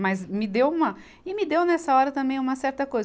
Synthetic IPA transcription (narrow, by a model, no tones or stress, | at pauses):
mɐzmɪd̪ewũmɐ | ɪmɪd̪ewnɛsɐɔɾɐt̪ɐ̃mbẽj̃ũmɐsɛɾt̪ɐkojz